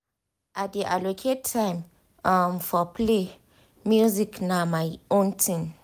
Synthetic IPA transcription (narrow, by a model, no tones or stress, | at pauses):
ʔat̚diʔa̰lokʰet̚tʰːãɪm | amfɔple | mjuziknamajõntʰĩn